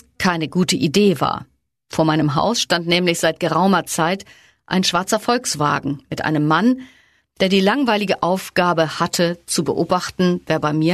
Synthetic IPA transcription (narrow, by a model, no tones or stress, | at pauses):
kʰaɪnəɡuːtəʔideːva̰ːɐ | foːɐmaɪnəmɦa̰ʊsʃtantnɛːmlɪçz̥aɪt̚ɡ̥əʁaʊmɐt͡saɪt | ʔa̰ɪnʃv̥aɐt͡sɐfɔlksv̥a̰ːɡŋ̩mɪtʔa̰ɪnəmːan | d̥eːɐdiːlaŋvaɪlɪɡəʔaʊfɡ̥aːbəhatʰət͡subəʔoːbaχtn̩veːɐbaɪmiːɐ